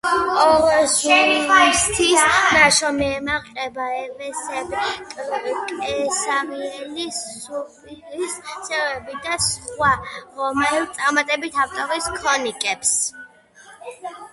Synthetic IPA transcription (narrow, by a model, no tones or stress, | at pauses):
ɔɾɔzust̪ʰisnaʃɔmɛɛmaqʼɛbaɛvɛsɛbkʼkʼɛsamiɛlisu | issʰɛvɛbid̪asχwaɾɔmɛlt̪sʼaɾmat̪ʼɛbit̪ʰaft̪ʼɔɾiskʰɔnikʼɛps